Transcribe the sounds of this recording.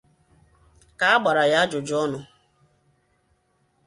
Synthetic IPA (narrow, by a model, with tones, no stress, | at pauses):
ka˨a˦ɡ͡ba˨ɾa˨ja˦d͡ʒʊ˨d͡ʒɔ˦nʊ˨